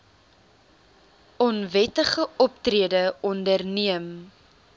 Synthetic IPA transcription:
ɔnvɛtəχəɔp̚triədəɔndərniəm

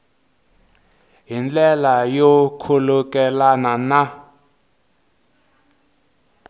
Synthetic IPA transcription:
ɦind͡ɮɛlajɔkʰulukɛlanana

